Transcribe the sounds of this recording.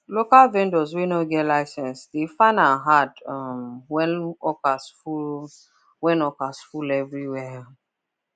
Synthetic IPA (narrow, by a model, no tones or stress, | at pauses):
lokalvɛ̃ndɔzwenoɡɛtlaɪsɛ̃nsdefanaɦadmwɛnɔkasfu | wɛ̃nɔkasfulɛvɹiwɛ